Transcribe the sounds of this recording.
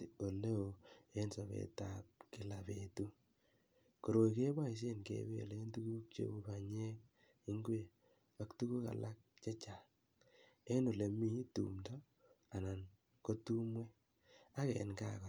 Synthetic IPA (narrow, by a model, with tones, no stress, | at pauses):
o˨le˦o˨e˦nso˨βḛ˨tap̚kɪ˨la˨betu˦ | ko˨ɾo˨ike˦ba˦i˨s̬e˦nkḛ˨bḛ˦˨le˦ntu˦ɡu˦k̚t͡ʃḛ˦u˦ba˨ɲe˦k | i˦ŋɡwe˨ | pa˦ktu˦ku˦ka̰˨la˦k̚t͡ʃe˦t͡ʃa˨ | e˦no˨le˨mi˦tṵ˨mdɔ˦ | a˨na˨n | ko˦tu˦mwe˦ | a˦kɛ̰˨nka̰˨kɔ˨